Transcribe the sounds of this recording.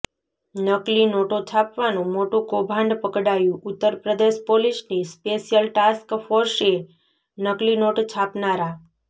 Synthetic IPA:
nəklinoʈot͡ʃʰapʋanũmoʈũkobʱãɳɖpəkɽajũʔʊt̪ːəɾpɾəd̪eʃpoliʃnispeʃijəlʈaskfoɾʃe | nəklinoʈt͡ʃʰapnaɾa

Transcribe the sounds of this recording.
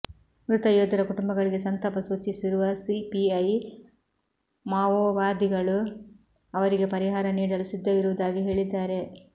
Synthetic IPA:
mɾut̪ɐjoːd̪ɐɾɐkuʈumbɐɡɐɭiɡe̞sɐnt̪ɐpɐsuːt͡ʃːisiɾuʋɐsipiɐj | maːʋoːʋaːd̪iɡɐɭu | ɐʋɐɾiɡe̞pɐɾiɦaːɾɐniːɽɐlisid̪ːɐʋiɾuʋɐd̪aːɡiɦe̞ːɭid̪ːaːɾe̞

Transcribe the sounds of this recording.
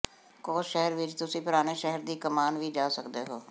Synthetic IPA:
koːsʃɛɦəɾʋɪt͡ʃt̪ʊsĩːpʊɾaːneːʃɛɦəɾd̪iːkəmaːnʋiːd͡ʒaːsəkd̪eːɦoː

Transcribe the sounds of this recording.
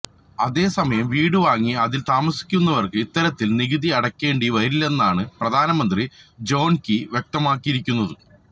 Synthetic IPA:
ɐðe̞ːsɐmɐjɐmʋiːɽɨʋaːŋːiɐðilt̪aːmɐsi̥kʲːunːɐʋɐrkɨit̪ːɐɾɐt̪ːilniɣɨðiɐɽɐkʲːe̞ːɳɖiʋɐɾilːɐenːaːɳɨprɐd̪ʱaːnɐmɐnd̪rid͡ʑo̞ːnkiʋjek̚t̪ɐmaːkːiiɾikʲːun̪ːɐðɨ

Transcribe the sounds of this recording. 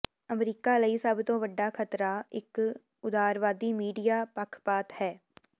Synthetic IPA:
əmɾiːkaːləiːsəbt̪õːʋəɖːaːkʰət̪ɾaːɪk | ʊd̪aːɾʋaːd̪iːmiːɖijaːpəkʰpaːt̪hɛː

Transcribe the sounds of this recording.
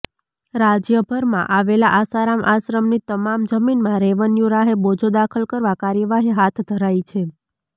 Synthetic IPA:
ɾad͡ʒjəbʱəɾmã̰ʔaʋelaʔasaɾamʔasɾəmnit̪əmamd͡ʒəminmãɾeʋənjũɾaɦebod͡ʒod̪akʰəlkəɾʋakaɾjəʋaɦiɦat̪ʰd̪ʱəɾait͡ʃʰe

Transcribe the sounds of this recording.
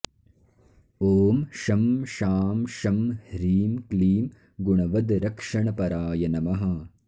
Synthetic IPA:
oːmʃɐmʃaːmʃɐmhɾiːmkliːm | ɡuɳɐʋɐd̪ɾɐkʂɐɳɐpɐɾaːjɐnɐmɐɦɐ̆

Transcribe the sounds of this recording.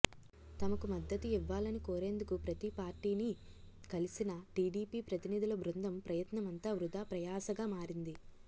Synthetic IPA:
t̪ɐmɐkumɐd̪ːɐt̪uiʋːaːlɐnikoːɾe̞ːnd̪ukupɾɐt̪ipaːɾʈiːni | kɐlisinɐʈiːɖiːpiːpɾɐt̪inid̪ʱilɐbɾund̪ʱɐmpɾɐjɐt̪nɐmɐnt̪aːʋɾud̪ʱaːpɾɐjaːsɐɡaːmaːɾind̪i

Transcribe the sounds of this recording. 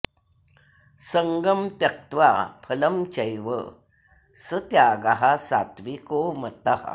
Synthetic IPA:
səŋɡəmt̪jɐk̚t̪ʋapʰɐləmt͡ɕəjʋə̰ | sət̪jaɡaɦasa̰t̪ʋikomət̪aha̰

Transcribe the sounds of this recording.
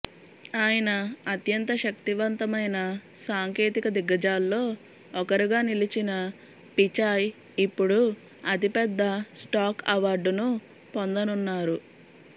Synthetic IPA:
aːjɐnɐːt̪jɐnt̪ɐʃɐk̚t̪iʋɐnt̪ɐmɐjnɐ | saːŋke̞ːt̪ikɐd̪iɡɐd͡ʒaːlːo̞ː | ɔkɐɾiɡaːnilit͡ʃinɐ | pit͡ʃaːj | ipːuɽu | ɐt̪ipɛd̪ːɐsʈaːkɐʋaːɾɖunu | pond̪ɐnunːaːɾu

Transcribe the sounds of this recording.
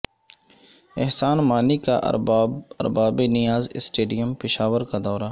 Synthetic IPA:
ɪɦsaːnmaːnika̰ʔ | ɐ̰ɾbaːbenɪjaːzɪsʈeːɖijəmpɪʃaːʋəɾkad̪ɔːɾaː

